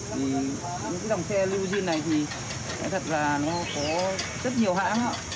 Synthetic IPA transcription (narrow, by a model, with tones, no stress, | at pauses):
t̪ʰi˨˩ | ɲ̰˨˧˥kaː˨˦zwŋ͡msɛ˧li˧zi˧ənːa˨˩jt̪ʰi˨˩ | a˨˦jt̪ʰə˨˩t̚laː˨˩nɔ˨˦kɔ˨˦zə˦˥t̚ɲi˨˩əwɦa̰ː˧˥a̰ː˧˥